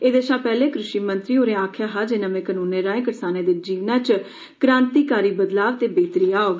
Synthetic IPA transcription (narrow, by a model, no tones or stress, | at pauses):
eːd̪eʃãːpɛːlẽːkɾʊʃiːmənt̪ɾiːoːɾẽːaːkʰjaːɦaːd͡ʒeːnãːmẽːkənuːnẽːɾãːẽːkəɾsaːneːd̪ɪd͡ʒiːʋnaːt͡ʃ | kɾãːnt̪iːkaːɾiːbəd̪laːʋt̪eːbeːt̪ɾiːaːoː